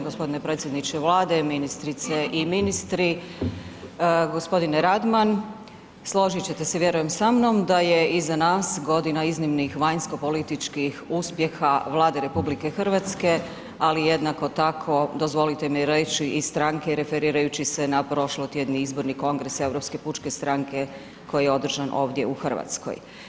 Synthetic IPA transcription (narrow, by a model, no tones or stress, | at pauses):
ɡo̞spo̞d̪ine̞pɾe̞t̪sje̞d̪nit͡ɕeʋlˠaːd̪e̞minist̪ɾit̪seʔiminist̪ɾi | ɡo̞spo̞d̪ineɾad̪man | slˠo̞ʒit͡ɕet̪eseʋjeɾuje̞msamno̞md̪aje̞izanaːsɡo̞d̪inaiznimnixʋaɲsko̞po̞lit̪it͡ʃkixuspje̞xaʋlˠaːd̪e̞ɾe̞publike̞xr̩ʋat̪ske̞ | alijed̪nako̞t̪akʰo̞d̪ozʋo̞lit̪emiɾet͡ɕiʔist̪ɾaŋkeɾe̞fe̞ɾiːɾajut͡ɕisenapɾo̞ʃlˠot̪jed̪niizbo̞ɾniko̞ŋɡɾe̞se̞vɾo̞pske̞put͡ʃke̞st̪ɾaŋke̞ | ko̞jijeo̞d̪r̩ʒanʔo̞̰ːʋd̪je̞̰uxr̩ʋa̰t̪sko̰j